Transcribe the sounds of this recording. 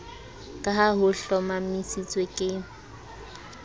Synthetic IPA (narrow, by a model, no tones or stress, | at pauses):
kʼaɦaɦʊɬɔmamisit͡sʼwekʼɪ